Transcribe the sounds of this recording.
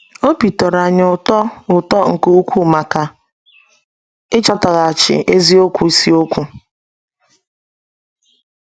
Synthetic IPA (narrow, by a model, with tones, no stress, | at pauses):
o˦pi˨tɔ˨ɾa˨ɲ˨ʊ˨tɔ˦ʊ˨tɔ˦ŋ̩˨ko˦u˦kʷu˦ma˨ka˦ | ɪ˦t͡ʃɔ˦ta˨ɣa˨a˨t͡ʃɪ̰˨ʔe˦zi˦o˦kʷu˨i˨si˦o˦kʷu˦